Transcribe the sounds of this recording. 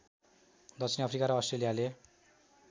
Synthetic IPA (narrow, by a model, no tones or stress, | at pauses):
d̪ʌsʰiniʌpʰrikaɾʌːsʈrelijale